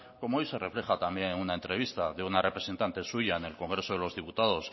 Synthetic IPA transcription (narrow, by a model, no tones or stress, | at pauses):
ko̞moojse̞re̞fle̞xat̪ambje̞ŋunae̞nt̪ɾe̞β̞ist̪aðeunare̞pɾe̞se̞nt̪ant̪e̞suʝaene̞lko̞ŋɡɾe̞so̞ð̞e̞lo̞zðiput̪aðo̞s